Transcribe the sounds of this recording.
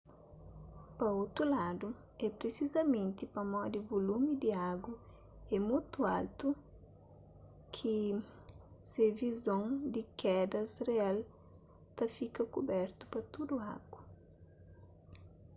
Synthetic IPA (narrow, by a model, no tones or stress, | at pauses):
pɐowt̪ɾulad̪u | ɛpɾesizɐmẽnt̪ɪpɐmɔd̪ɪbolumid̪ɪaɡɐ | ɛmut̪ua̰lt̪u | kʰi | sevizõŋd̪ɪkʰɛd̪ɐsreal | t̪ɐfikɐkubɛɾt̪ʊ̥pɐt̪ud̪ua̰ɡwɐ